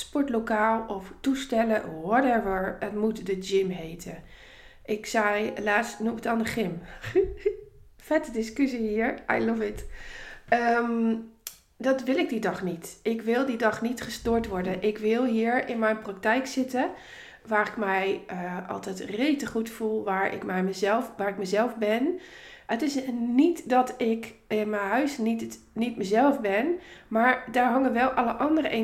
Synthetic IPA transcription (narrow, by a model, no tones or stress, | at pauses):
spɔɹtlokaːlˠɔftustɛləwɔɹdɛɹʋəɹətmutdəd͡ʒɪmɦeːtʰə | ʔɪksɛjlaːstnumətɔndəχɪm | fɛtədɪskøsihiɹajlɔvɪt | əm | dɔtʋɪlɪk̚didɔχnitʔɪkʋɪlˠdidɔχnitχəstoːɹtʋɔɹdənʔɪkʋɪlˠɦiːəɹɪnmɛjnprak̚tɛjksɪtə | ʋaːrɪkmɛjəʔɔ̰lˠtɛjtreːtəχutfulˠʋaːɹɪ̰kmɛəzɛʋaːrɪkmɛzɛlˠfbɪn | ətɪsnitdɔtɪkɪnmɛjɦœɥsnit | nitməzɛlˠfbɪnmaːɹdaːɹɦɔŋənʋɛlˠʔɔləʔɑndəɾəʔe